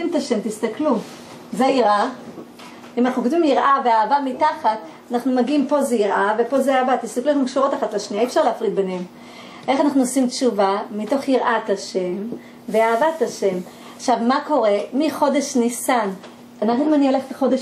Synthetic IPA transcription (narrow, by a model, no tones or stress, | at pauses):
imt̪aʃe̞mt̪ist̪aklu | zeiʁʔa | imanaχnukotvimjiʁʔaveaːvamitaχat | anaχnumaɡiimpo̞zeiʁʔave̞po̞zeaːvatist̪aklueχnukʃuʁot̪aχatlaʃniaiefʃaʁleːfʁid̪̚benhem | ʔe̞χanaχnuosimt͡ʃuvamito̞χjiʁʔat̪aʃe̞m | veaːvataʃe̞m | aχʃavmako̞ʁe̞miχo̞de̞ʃnisan | anaχnuimanioleχteχo̞de